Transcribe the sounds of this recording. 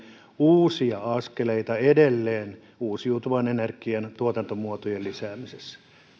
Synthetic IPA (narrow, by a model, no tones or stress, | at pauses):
uːsiɑɑskeleit̪ɑedelːeːn | uːsiut̪uʋɑnenerkiɑnt̪uot̪ɑnt̪omuot̪ojellisæːmisesːæ̥